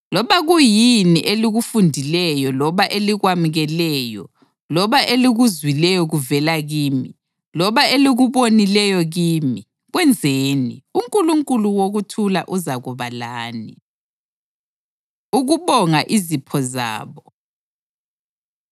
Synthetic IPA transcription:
lɔβaɣujiniʔeliɣufundʱilɛjɔlɔβaʔeliɣwamuɣɛlɛːjɔ̰ | lɔβaʔeliɣuzwilɛjɔɣuvɛlaɣiːmi | lɔβaeliɣuβonilɛjɔɣiːmi | ɣwɛnd͡zʱeːnḭuŋkʼuluŋkʼuluwoɣutʰulaʔuzaɣuβalaːni | uɣuβɔŋaʔizipʰɔza̰ːβɔ

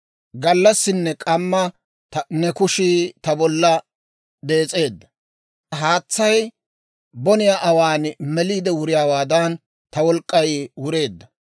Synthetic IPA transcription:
ɡɐlːɐsːɪnːɛkʼɐmːɐ | nɛkʊʃit̪ɐbɔlːɐ | d̪e̞ːt͡sʼe̞ːd̪ːɐ | ɦaːt͡sːɐj | bɔnɪjaːʔɐwaːnmɛliːd̪ɛwʊɾɪjaːwaːd̪ɐn | t̪ɐwɔlkʼːɐjwʊɾe̞ːd̪ːɐ

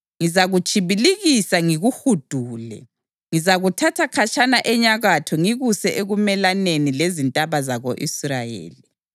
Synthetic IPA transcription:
ŋizaɣut͡ʃʰʼiβiliɣisaŋiɣuxud̥ʱuːlɛ̰ | ŋizaɣutʰatʰakʰat͡ʃʰʼanaʔɛɲaɣatʰɔŋiɣusɛʔeɣumɛlanenilezintʼaβazaɣoʔisrajḛːli

